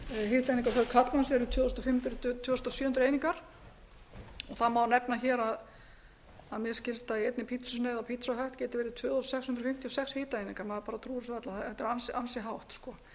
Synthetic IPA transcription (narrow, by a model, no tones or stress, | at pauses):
ɦɪːht̪aejniŋkawθɛkʰat̪mansɛɾʏt̪ʰœːðst̪ɔfɪmt̪ʏɾt̪t̪ʰvœːðst̪ɔsʏːhʏnɾeːjniŋkaɾ̥ | ɔθaðmaːwnɛpnaçɛːɾað | aðmjɛscɪlst̪aiɛjt̪nɪpʰit̪sʏsneːðawpʰit̪sɔɦɛht̪cɛːt̪ɪvɛːɾɪt̪ʰœːðɔssɛkshʏnt̪ɾfɪm̥t̪ʰiɔsɛkshɪːt̪aeːjniŋkaɾmaðpaːɾat̪ʰɾuːɾɪsvɛt̪laɛt̪ːɛɾansansɪɦawht̪skɔ